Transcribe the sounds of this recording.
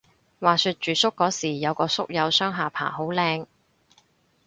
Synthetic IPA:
waː˨˩sy˧t̚t͡ʃyː˨sʊ˥kːɔː˨˥siː˨˩jɐ˨˧wkɔː˧sʊ˥k̚jɐ˨˧wsœː˥ŋɦaː˨˩pʰa̰ː˨˩ɦo˨˥wlɛː˧ŋ

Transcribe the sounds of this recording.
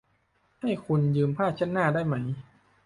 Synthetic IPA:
ha˥˩jkʰu˧njɯː˧mpʰaː˥˩t̪̚t͡ɕʰa˥˩nːaː˥˩daː˥˩jma˦˥j

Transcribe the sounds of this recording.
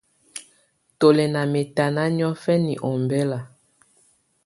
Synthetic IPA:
to˨lɛ˨na˨me˨ta˨na˦n˦ɔ˦fɛ˦ni˨ʔɔ˨mbɛ˦la˨

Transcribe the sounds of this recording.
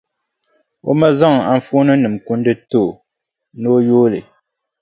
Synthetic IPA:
o̰˦ma˦za˦ŋ˨a˨ɱ˦fu˦nɨ˦nɨ˨mku˦n˦dɨ˦to˦˨ | nɨ˦o˦joː˦lɨ̰˨

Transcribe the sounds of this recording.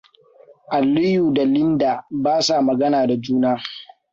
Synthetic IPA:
ʔa˨lːʊ˦juː˨da˨lɪ˦ndaː˨baː˦sa˨mɐ˨ɡɐ˦naː˨da˨d͡ʒuː˦naː˦

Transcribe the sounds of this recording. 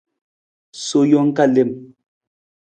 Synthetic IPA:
so˨jɔ˦ŋ̩˦ka˦˨le˦˨m

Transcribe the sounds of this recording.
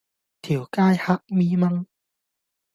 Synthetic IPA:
t̪ʰi˨˩˦wkaː˥˩jha˦˥ʔ̚miː˧ma˧ŋ

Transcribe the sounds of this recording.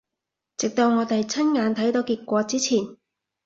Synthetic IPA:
t͡sɪ˨k̚t̪o˧wŋɔː˨˧t̪e˨jt͡sʰɐ˥nŋaː˨˧nt̪ʰɐ˨˥jt̪o˨˧wkiː˧t̚kʷɔː˨˧t͡siː˥t͡sʰiː˨˩n

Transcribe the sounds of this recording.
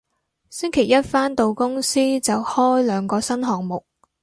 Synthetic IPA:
sɪ˥ŋkʰe˨˩jɐ˥t̚faː˥nt̪o˨wkʊ˥ŋsiː˥t͡sɐ˨whɔː˥jlœː˨˧ŋkɔː˧sɐ˥nɦɔː˨ŋmʊ˨k̚

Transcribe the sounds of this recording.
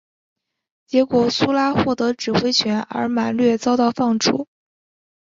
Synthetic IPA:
t͡ɕjɛ˧˥kwɔ˨˩su˥la˥xwɔ˥˩t̪ɤ˧˥ʈ͡ʂɻ̩˨˩xwe˥ɪt͡ɕʰɥɛ˧˥nə̰˞˧˥ma˨˩nlɥɛ˥˧t͡sɑ˥ʊt̪ɑ˥˧ʊfɑ˥˩ŋʈ͡ʂʰṵ˨˩˥

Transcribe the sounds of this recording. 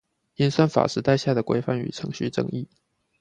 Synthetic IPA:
i˥nswə˥nfa̰˨˩ʂɻ̩˥˧t̪a˥˧ɪɕja˥˩d̪ə˩kwḛ˧˥ɪfa˥˩ny̰˨˩ʈ͡ʂʰɤ˧˥ŋɕy˥˩ʈ͡ʂɤ̰˥˩ŋi˥˩

